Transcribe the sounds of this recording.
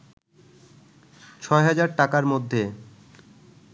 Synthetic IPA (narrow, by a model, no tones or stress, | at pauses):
t͡ɕʰɔeɦad͡ʑaɾʈakaɾmod̪ʱːe